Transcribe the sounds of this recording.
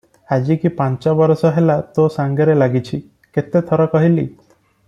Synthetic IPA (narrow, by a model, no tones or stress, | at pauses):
ad͡ʑikipãɲt͡ʃɔbɔɾɔsɔɦelat̪osaŋɡeɾelaɡit͡ʃʰi | ket̪et̪ʰɔɾɔkɔɦilḭ